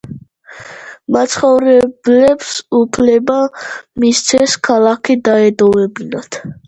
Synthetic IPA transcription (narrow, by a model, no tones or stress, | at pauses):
mat̪sʰχɔvɾɛblɛpsupʰlɛbamist̪sʰɛskʰalˠakʰid̪aɛd̪ɔvɛbinat̪